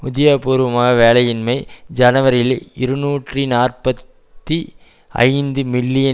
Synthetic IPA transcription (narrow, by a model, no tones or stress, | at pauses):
ʊðɪjaːpuːɾɯʋɐmaːɣɐʋeːlɐjɪnmɐɪd͡ʒɐnɐʋɐɾɪlɪɾɯnuːʈrinaːrpɐt̪ː | i | ɐ̰ɪnd̪ɯmɪlːɪjɐ